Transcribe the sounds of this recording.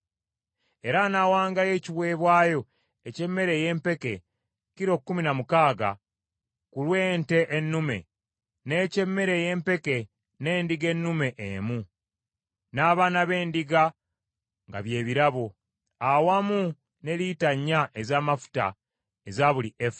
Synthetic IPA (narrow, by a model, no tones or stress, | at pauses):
e̞ɾanawaːŋɡaje̞ːciβwe̞ːβwaːjo̞ | e̞ce̞mːe̞ɾe̞je̞ːmpe̞ke̞ | ciɾo̞kkːuminamukaːɡa̰ | kulwe̞ːnte̞ʔːnːume̞̰ | ne̞ːce̞mːe̞ɾe̞jeːmpe̞ke̞ | ne̞ːndiɡe̞nːume̞ʔːmu | naːβaːnaβe̞ːndiɡa | ŋɡa̰βje̞ːβiɾaβo̞ | awamu | ne̞litaɲːaʔezaːmafu̥ta̰ | ezaβulief